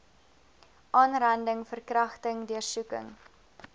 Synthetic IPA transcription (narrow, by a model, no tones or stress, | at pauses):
ʔɑːnrɐndəŋfərkrɐχtəŋdyərsukə̰ŋ